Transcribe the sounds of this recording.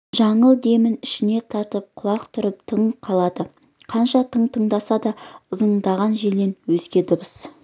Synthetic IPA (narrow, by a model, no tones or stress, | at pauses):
ʒɑɴəlˠd̪e̞mɪnɪʃɪne̞t̪ʰɑɾt̪əp̚qʰʊlˠɑqt̪ʰʊɾəp̚t̪ʰəɴqʰɑlˠɑd̪ə | qʰɑnʃɑt̪ʰəɴt̪ʰəɴd̪ɑsɑd̪ɑəzəɴd̪ɑʁɑnʒe̞le̞nwɵzɡʲe̞d̪əbəs